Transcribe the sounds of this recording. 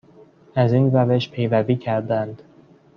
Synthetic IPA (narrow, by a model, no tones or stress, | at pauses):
æziːnræve̞ʃpʰe̞jvæviːcʰæɾd̪ænd̪̥